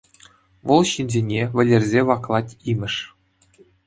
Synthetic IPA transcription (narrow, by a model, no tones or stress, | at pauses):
vɤ̆lˠɕinʲzʲenʲeʋʲɘ̆lʲĕrʲzʲeʋɑklˠɑtʲimʲɘ̆ʂ